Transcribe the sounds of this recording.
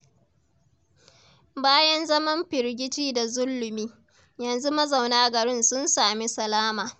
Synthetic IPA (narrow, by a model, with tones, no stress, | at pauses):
baː˦jɐ˦nzɐ˦mɐ˦mɸɪ˨ɾɡʲɪ˦tiː˦da˨zʊ˦lːʊ˨miː˦ | jɐ˨nzu˦mɐ˦za˨wnaː˦ɡɐ˨ɾɪ˦nsʊ˦nsaː˨mi˦sɐ˨laː˦maː˨